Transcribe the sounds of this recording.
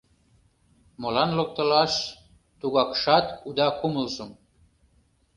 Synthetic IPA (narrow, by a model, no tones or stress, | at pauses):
molɑnlŏk̚t̪ə̆lɑʃ | t̪uɣɑkʃɑt̪ud̪ɑkuməlʒəm